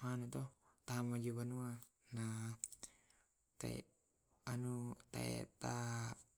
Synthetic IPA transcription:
manut̪ɔt̪aamad͡ʒubanua | na | t̪a̰ḭ | anut̪a̰ɛ̰t̪a

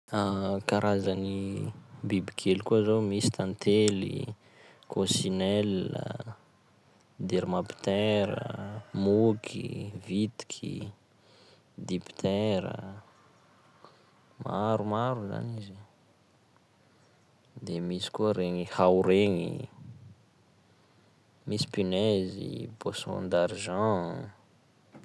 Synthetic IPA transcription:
akaɾʔazani | bibikʰelikuzowmisi̥t̪ãnt̪elḭ | kʰosinɛlə̰ | d̪eɾimapi̥t̪ɛɾə̰mukʰḭvit̪i̥kʰḭ | d̪ipi̥t̪ʰɛɾə̰ | ma̰ɾumaɾuza̰nizi | d̪emisi̥kuəɾeŋihawɾeŋḭ | misi̥pinezḭposõ̰nd̪aɾʒɑ̃

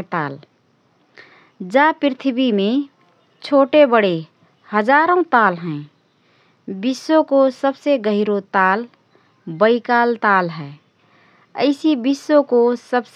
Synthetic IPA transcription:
t̪a̰l | d͡ʒapɾɪt̪ʰbimẽ | t͡ʃʰoʈebəɽe | həd͡ʒaɾõt̪alɦɛ̃ | bisːõkosəbseɡəɦiɾot̪al | bəɪkalt̪alɦɛ | əɪsibisːõkosəbs

